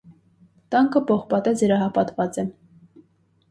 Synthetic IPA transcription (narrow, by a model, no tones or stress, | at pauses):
t̪ɑŋkʰəpɔχpɑt̪ɛd͡zəɾɑɦɑpɑt̪vɑt͡sɛ